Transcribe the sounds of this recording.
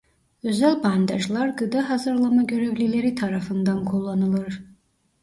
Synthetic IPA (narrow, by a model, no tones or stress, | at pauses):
øzælʲband̪aʒlˠaɾɡɯd̪aɦazɯɾlˠamaɟø̞ɾevlʲilʲeɾit̪ʰaɾafɯnd̪ankʰolˠːanɯlˠɯɾ